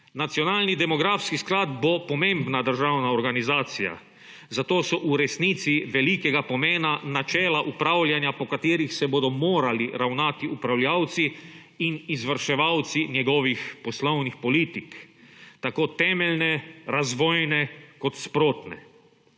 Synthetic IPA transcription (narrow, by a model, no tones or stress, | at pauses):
nat̪siɔnaːlnid̪ɛmɔɡɾafskisklad̪bopɔmẽmbnad̪əɾʒaːwnaɔɾɡanizaːt̪sija̰ | zat̪oːsɔʔuɾɛsnit̪siʋɛlikɛɡapɔmeːnanat͡ʃɛːlaʔupɾaːwlʲjanjapɔkat̪iːɾixsɛboːd̪ɔmoːɾaliɾawnaːt̪iupɾawljawt̪si | inizʋəɾʃɛʋawt̪sinjɛɡɔʋixpɔslownixpɔliːt̪ikt̪akoːt̪ɛːmɛlnɛɾazʋɔːjnɛkɔt̪spɾoːt̪nɛ̰